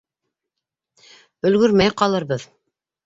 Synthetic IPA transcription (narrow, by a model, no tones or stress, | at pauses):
ɵ̆lɡɵ̆ɾmæjqɑlˠɤɾβɤð